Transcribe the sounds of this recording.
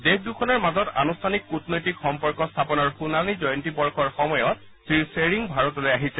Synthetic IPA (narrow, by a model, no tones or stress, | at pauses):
dexdukʰɔnɔɹmazɔta̰nustʰanikːutnojtikxɔmpɔɹkɔstʰapɔnɔɹxunanizɔjɔntibɔɹkɔɹxɔmɔjɔt̚ | sɹiɹseɹiŋbʱaɹɔtɔlojaɦisɛ